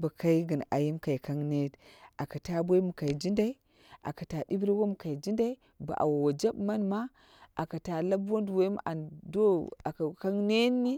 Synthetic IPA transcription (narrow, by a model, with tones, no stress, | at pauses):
ba˨ka˦i˦ɡə˨na˨ji˦mka˨i˨ka˦ŋne˦ta˨ka˨ta˦bʷo˦i˦mu˨ka˨i˨d͡ʒi˦nda˦i˦ | ʔa̰˨ka˨ta˨di˦bɾi˦wo˦mu˨ka˨i˨d͡ʒi˦nda˦i˦ | ba̰˨ʔa̰˨wa˨wa˨d͡ʒa˦bma˦nma˦ | ʔa˨ka˨ta˨la˦bwo˦ndu˨wo˦m˦a˨ndo˦a˨ka˨ka˦ŋne˦nːi˦